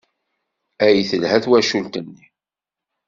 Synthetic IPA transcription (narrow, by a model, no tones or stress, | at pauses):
æjθəlhæθwæʃunt̪ənːi